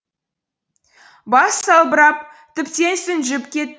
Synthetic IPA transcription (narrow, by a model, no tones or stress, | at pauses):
bɑsːɑlˠbəɾɑp̚ | t̪ʰɪpt̪ensɪnʒɪpkʲe̞t̪